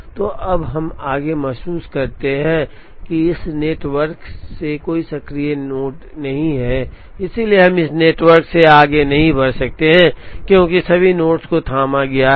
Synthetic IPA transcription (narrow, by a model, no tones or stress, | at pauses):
t̪oːʔɐbɦɐmaːɡemɛɦsuːskɐɾt̪eɦɛ̃ | kiɪsneːʈwəɾksekoːisɐkɾijenoːʈnɐɦĩɦɛ | ɪsilieɦɐmɪsneːʈʋəɾkseaːɡenɐɦĩbɐɾsɐk̚t̪eɦɛ̃kjõːkisɐbʱinoːʈskot̪ʰaːmaɡɐja